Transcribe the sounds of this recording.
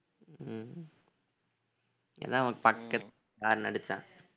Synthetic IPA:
ɛ̰ðãːɐmɐkːpɐkːɐt̪ː | kaːɾnɐɽɯt͡ʃːã̰ː

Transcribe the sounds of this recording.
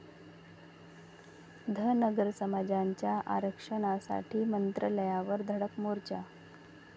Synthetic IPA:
d̪ʱənəɡəɾsəmad͡ʑaɲt͡ɕjaʔa̰ɾəkʂəɽ̃asa̰ʈʰiːmənt̪ɾələjaʋəɾd̪ʱəɽəkmoɾt͡ɕa̰

